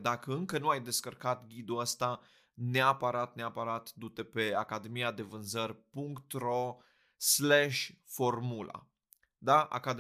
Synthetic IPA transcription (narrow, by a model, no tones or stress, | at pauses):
d̪akəɨŋkənuajd̪e̞skərkat̪ɡʲid̪uəst̪a | neapaɾat̪̚neapaɾat̪d̪ut̪epe̞akad̪e̞mijad̪e̞vɨnzərʲpuŋkt̪ro̞ | sleʃʲfo̞rmula̰ | d̪aa̰kad̪